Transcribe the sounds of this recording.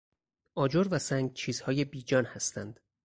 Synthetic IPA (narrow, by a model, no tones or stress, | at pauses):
ʔɒːd͡ʒoɾvæsæŋɡt͡ʃʰiːz̥hɒːje̞biːd͡ʒɒːnhæst̪ʰænd̪̥